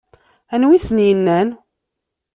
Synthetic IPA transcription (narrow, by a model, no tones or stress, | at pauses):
ænwisnjənːæn